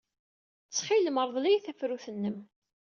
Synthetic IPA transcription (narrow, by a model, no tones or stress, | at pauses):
t͡sːχiləməɾˤðˤlijθæfɾuθənːəm